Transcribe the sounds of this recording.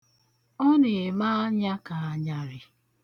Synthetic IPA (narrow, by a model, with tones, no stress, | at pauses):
ɔ˦ne˨ma˦ɲa˦ka˨a˨ɲa˦ɾɪ˨